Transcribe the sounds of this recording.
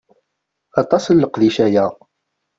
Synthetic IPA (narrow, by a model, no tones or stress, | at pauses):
ɑt̪ˤɑsəlːəqðiʃæjæ